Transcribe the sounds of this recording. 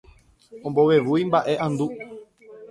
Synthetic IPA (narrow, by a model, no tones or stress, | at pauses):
õ̞mbo̞ʋe̞ʋujmbaʔe̞ʔãnd̪u